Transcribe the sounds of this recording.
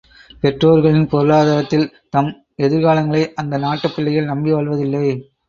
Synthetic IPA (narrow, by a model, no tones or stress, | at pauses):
pɛʈroːɾɣɐɭɪnpɔɾɯɭaːðaːɾɐt̪ːɪl | t̪ɐm | ɛðɪɾɣaːlɐŋɡɐɭɐɪʔɐnd̪ɐnaːʈːɐpːɪɭːɐjɪlnɐmbiʋɐːɭʋɐðɪlːɐɪ